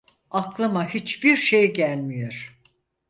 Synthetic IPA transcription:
aklˠɯmaɦit͡ʃbiɾʃe̞jɟælʲmijoɾ̥

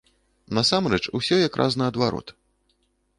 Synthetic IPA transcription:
nɐsamrɛt͡ʂusʲɔjakɾʔa̰znɨɐd̪vaɾɔ̰t̪

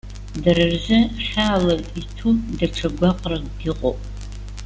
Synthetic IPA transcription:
darɨrzɨχʲaːlɐritʰudaʈ͡ʂʰaɡʷaqʼraɡdiqʼo̰pʼ

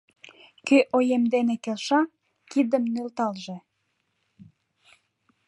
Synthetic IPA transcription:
køʔojemd̪enekelʃɑ | kid̪əmnølt̪ɑlʒe

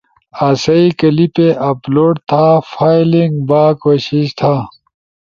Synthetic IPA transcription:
aːsɐikɐlipeʔɐploːɖ̚t̪ʰafaːjlĩŋɡbaːkoːɕiɕt̪ʰaː

